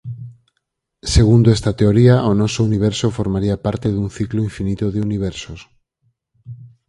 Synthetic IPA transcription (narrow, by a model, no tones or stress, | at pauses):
seɣ̞und̪oest̪at̪eoɾiaʔonosouniβ̞eɾsofoɾmaɾiapaɾt̪eðun̟θikloiɱfinit̪oðeuniβ̞eɾsos